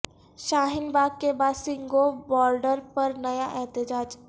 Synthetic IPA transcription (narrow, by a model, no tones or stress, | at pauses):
ʃaːɦɪnbaːɡ̚kebaːd̪sɪ̃ŋɡobɔːɾɖəɾpɐɾnɐjaʔɛɦt̪ɪd͡ʒaːd͡ʒ